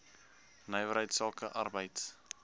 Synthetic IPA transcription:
nəjvəɾɦəjtsɑːkəʔɐrbəjts

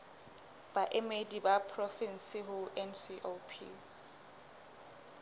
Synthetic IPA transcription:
b̥aʔɛmedibapʰrɔfin̩siɦʊʔɛnsiʔopʰḭ

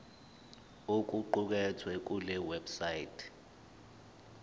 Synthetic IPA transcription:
ok̬ʼuǃuk̬ɛt͡sʰwɛk̬ulɛwɛbsajitʰ

